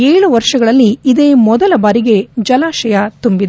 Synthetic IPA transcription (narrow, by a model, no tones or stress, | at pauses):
eːɭuʋɐɾʂɐɡɐɭɐlːiːd̪e̞ːmɔd̪ɐlɐbaːɾiɡe̞d͡ʒɐlaːʃɐjat̪umbid̪